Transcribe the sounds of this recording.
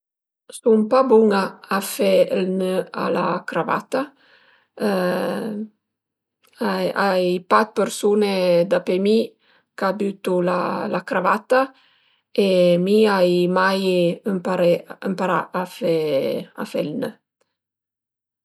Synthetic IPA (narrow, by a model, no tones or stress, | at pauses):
sumpabuŋaːfɛlnøa̰la̰kɾava̰t̪a | ajajpat̪̚pəɾsuned̪apemi | kabyt̪ula̰lakɾavat̪a | emiajmajəmpaɾeəmpaɾa̰afɛa̰fɛlnə